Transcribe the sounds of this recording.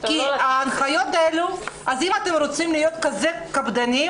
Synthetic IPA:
kiaːnχajo̞t̪̚eluʔazimat̪e̞mɾot͡simlijo̞t̪kazekabd̪ani

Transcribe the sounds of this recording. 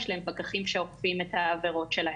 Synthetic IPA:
ʃlaempakaχimʃeoχfimetaːveʁo̞tʃelah

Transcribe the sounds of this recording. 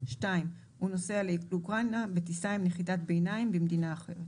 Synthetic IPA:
ʃtaim | huno̞sealelukʁanabetisajimneχitatbejnaimbemd̪inaːχeʁet

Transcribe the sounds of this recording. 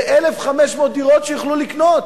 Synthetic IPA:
ʔelefχameʃmod̪iʁotʃejuχluliknot

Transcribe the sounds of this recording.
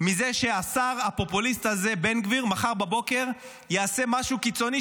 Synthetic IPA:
mize̞ʃe̞asaʁapo̞pulist̪haze̞be̞nɡviʁmaχaʁbabo̞ke̞ʁ | jease̞maʃukit͡so̞ni

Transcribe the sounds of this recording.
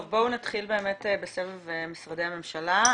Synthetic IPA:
vbo̞unat̪χilbe̞ːmetebesevevemisʁad̪e̞jhame̞mʃala

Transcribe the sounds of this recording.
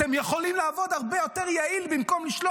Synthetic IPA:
emjeχo̞limlaːvo̞d̪haʁbejo̞t̪eʁjailbimko̞mliʃlo

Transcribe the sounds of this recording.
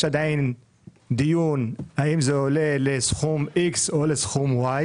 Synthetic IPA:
ʃad̪ajn | d̪ijunhaimzeolelesχumiksolesχumwaj

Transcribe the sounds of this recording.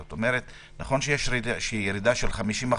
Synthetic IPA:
ot̪omeɾet | naχo̞nʃejeʃiaʃeijeɾidaʃelχamiʃima

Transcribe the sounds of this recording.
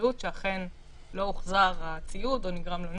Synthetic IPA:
utʃeaχe̞n | lo̞uχzaʁat͡sijutoniɡʁamlon

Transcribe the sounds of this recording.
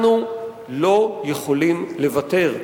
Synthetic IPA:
nu | lo̞je̞χolimle̞vate̞ʁ

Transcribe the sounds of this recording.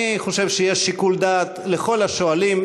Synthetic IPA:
iχo̞ʃevʃeje̞ʃːikuld̪aːt̪le̞χo̞laʃoalim

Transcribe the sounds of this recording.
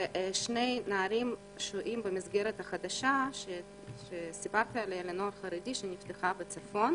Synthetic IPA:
ʃnejnaːɾim | ʃoʔimbemizɡeɾet̪aχad̪aʃaʃe | ʃesibaɾt̪ialejalenoaɾχaɾed̪iʃenift̪eχabet͡safo̞n

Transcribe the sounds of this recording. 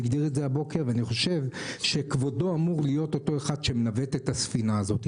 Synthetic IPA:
iɡd̪iʁetzeabo̞ke̞ʁveaniχo̞ʃe̞vʃe̞kvo̞do̞amuʁlijo̞t̪o̞to̞eχad̪ʃemenavet̪et̪asfinaːzo̞t̪i

